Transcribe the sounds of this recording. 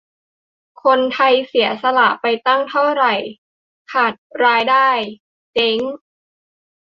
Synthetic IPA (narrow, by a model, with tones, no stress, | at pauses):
kʰo˧nt̪ʰa˧jsi˩˦ɐsa˧la˨˩ʔpa˧jt̪a˥˩ŋt̪ʰa˥˩wɾa˨˩j | kʰaː˨˩t̪̚ɾaː˧jdaː˥˩j | t͡ɕe˦˥ŋ